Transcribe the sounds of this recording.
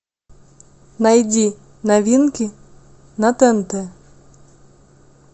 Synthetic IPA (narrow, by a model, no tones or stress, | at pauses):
najdʲi | navʲinkʲi | nat̪ɛnt̪ɛ